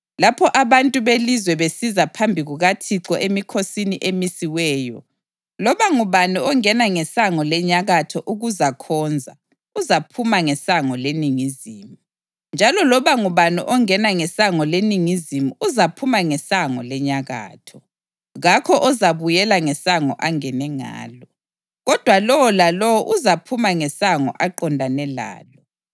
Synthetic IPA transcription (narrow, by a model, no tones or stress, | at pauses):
lapʰɔʔaβantʼuβelizwɛβesizapʰambʱiɣuɣatʰiǁɔʔemikʰosiniʔemisiwɛːjɔ̰ | lɔβaŋuβanuɔŋɛnaŋɛsaŋɔlɛɲaɣatʰɔʔuɣuzakʰɔːnd͡zʱa̰ | uzapʰumaŋɛsaŋɔleniŋiziːmu | nd͡ʒʱalɔlɔβaŋuβanṵʔɔŋɛnaŋɛsaŋɔleniŋizimuuzapʰumaŋɛsaŋɔlɛɲaɣa̰ːtʰɔ | ɣakʰɔʔɔzaβujɛlaŋɛsaŋɔʔaŋɛnɛŋa̰ːlɔ | ɣɔd̥ʱwalɔwɔlalɔwɔʔuzapʰumaŋɛsaŋɔ̰ʔaǃɔndʱanɛla̰ːlɔ